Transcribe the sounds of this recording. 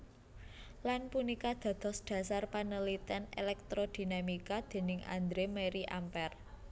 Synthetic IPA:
lanpunikad̪̥ä̤d̪̥ɔ̤sɖ̪̥ä̤sarpanəlit̪ɛnḛlɛk̚t̪ɾod̪̥i̤namikad̪̥e̤nɪŋa̰nd̪ɾemeɾiʔampɛr

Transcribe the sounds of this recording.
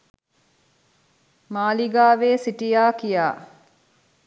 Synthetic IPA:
maːliɡaːʋeːsiʈijaːkijaː

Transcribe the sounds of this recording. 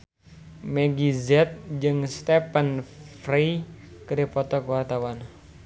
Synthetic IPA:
mɛɡizɛt̪̚d͡ʒɨŋst̪ɛpənfrekəɾipɔt̪ɔkəwart̪awan

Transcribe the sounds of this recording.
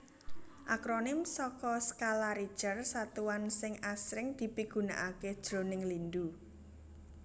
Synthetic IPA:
ʔakɾonɪmsɔkɔskalaɾi̥t͡ʃərsat̪uwansɪŋasɾɪŋd̪̥i̤piɡ̥ṳna̰ʔaked̥ʒ̥ɾonɪŋlind̪u

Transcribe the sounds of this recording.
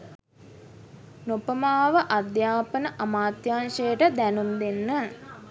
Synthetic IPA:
nopəmaːʋəʔad̪jaːpənəʔamaːt̪jaːnʃəjəʈəd̪ænumd̪enːə

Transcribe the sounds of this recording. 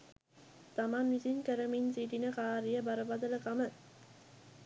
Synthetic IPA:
t̪ɐmanːisinkæɾɐminsiʈinɐkaːɾijɐbɐɾɐbɐd̪ɐlɐkamə

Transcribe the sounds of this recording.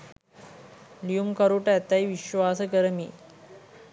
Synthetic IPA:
lijumkɐɾuʈat̪ːajiʋiɕʋaːsəɡəɾmi

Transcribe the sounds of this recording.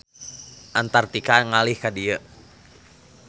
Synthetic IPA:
ʔant̪art̪ikaŋalihkadiə

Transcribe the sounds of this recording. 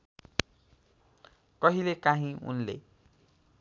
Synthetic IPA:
kʌɦilekaɦĩṵnlḛ

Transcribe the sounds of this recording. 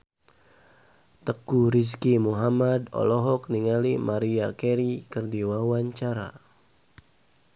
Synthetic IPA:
t̪əkuɾis̬kimuɦamad̪ɔ̰lɔɦɔk̚niŋalimaɾiakɛɾikərdiwawaɲt͡ʃaɾa̰

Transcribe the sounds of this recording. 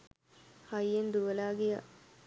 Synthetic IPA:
hajend̪uʋəlaːɡejə̰

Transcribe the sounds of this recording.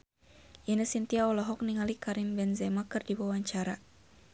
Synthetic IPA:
ʔinəsint̪iaɔlɔɦɔk̚niŋalikaɾimbɛnzɛmakɨrdiwawaɲt͡ʃaɾa

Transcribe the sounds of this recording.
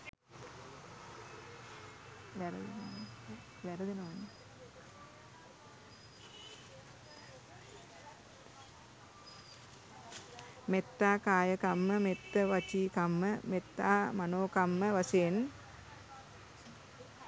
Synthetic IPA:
ʋɛɾəd̪ḛnəʋan | ʋæɾəd̪enəʋanə | met̪ːaːkaːjəkamːəmet̪ːəʋat͡ʃiːkamːəmet̪ːaːmanoːkamːəʋaseːn

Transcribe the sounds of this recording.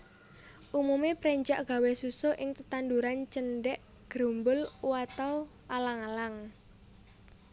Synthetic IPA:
ʔumumepɾɛɲd͡ʒa̰ʔɡ̥a̤wesusoʔɪŋt̪ət̪and̪uɾant͡ʃənɖɛʔ | ɡ̥ɾombʊlwat̪aw | ʔalaŋalaŋ

